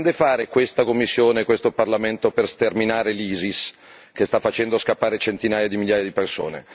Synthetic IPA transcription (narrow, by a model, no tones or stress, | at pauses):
nd̪efaːɾekwest̪akomːisːjoːnekwest̪oparlament̪operst̪erminaːɾeliːzis | k̟est̪afːat͡ʃɛnd̪oskapːaːɾet͡ʃent̪inaːjad̪imiljaːjad̪iperso̰ːnḛ